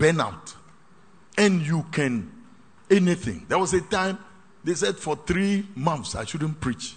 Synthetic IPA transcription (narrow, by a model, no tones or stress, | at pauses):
b̥ɛ̃na̰ʊt | ɛ̃njukʰɛ̃n | ɛniθɪ̰̃ŋdɛwɔsetãɪ̃m | des̬ɛdfɔθɾimãnθsa̰ɪʃud̃n̩pɹit͡ʃ